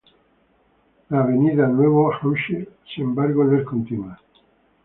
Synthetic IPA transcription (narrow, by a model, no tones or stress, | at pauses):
laːβeniðanweβoxawʃesiembaɾɣoneskont̪inwa